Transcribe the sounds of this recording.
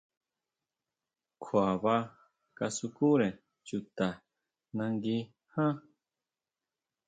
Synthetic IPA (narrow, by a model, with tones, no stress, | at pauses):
kʰwa˨βa˦ | ka˧su˧ku˦ɾẽ˨ | t͡ʃu˨t̪a˨ | nã˧ŋɡi˦ | hã˦